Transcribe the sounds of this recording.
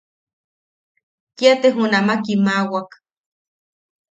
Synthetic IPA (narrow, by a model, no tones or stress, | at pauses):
kiat̪eɦunamakimawak